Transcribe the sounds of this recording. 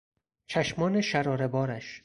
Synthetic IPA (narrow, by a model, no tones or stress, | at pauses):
t͡ʃʰæʃmɒːneʃæɾɒːɾebɒːɾæʃ